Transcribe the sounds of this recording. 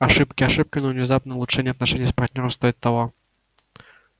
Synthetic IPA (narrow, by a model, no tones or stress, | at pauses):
aʂɨpkʲiaʂɨp̚kʲinɐwnʲɛzapnɛulˠutt͡ʂɛnʲːɛat̪naʂɛnʲːaspart̪ʲnʲɔɾɔst̪ɔjit̪ːawɔ